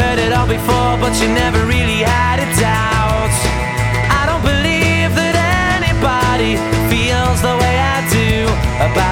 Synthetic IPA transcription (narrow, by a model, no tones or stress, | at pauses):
ɜ˞ɾɪɾɔlˠbɨfɔɹbʌt͡ʃɨnɛvə˞ɹɪlˠiəɾɨt̚da | ʊt | aɪɾõʊ̃nb̥ɨlivðɨɾɛ | nibɑɾi | filˠzðəweɪaɪdʉəba